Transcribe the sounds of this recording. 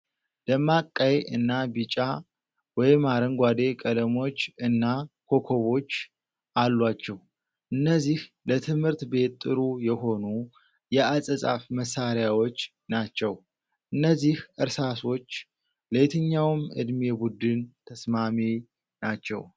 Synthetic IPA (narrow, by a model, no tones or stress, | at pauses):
d̪̥əmakʼːəjɨnːabɨt͡ʃʼa | wɔjmaɾəŋɡʷad̪e̞kʼəd̪əmo̞t͡ʃːɨnːakʰo̞kʰo̞βo̞t͡ʃː | ʔalːwat͡ʃːɛw | ʔɨnːəzːih | lət̪ʰɨmhɨɾt̪be̞t̪t̪ʼːɨɾujɛho̞nu | jɛasʼəsʼa̰fməsːaɾjawo̞t͡ʃː | nat͡ʃːɛw | ʔɨnːəzːihʔɨɾsaso̞t͡ʃː | let̪ʰəɲːawmʔɨ̰d̪mebud̪ɨnt̪ʰəsmami | nat͡ʃːɛ̰w